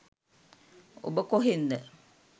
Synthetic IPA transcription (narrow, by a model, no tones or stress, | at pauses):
o̰bəkoɦind̪ə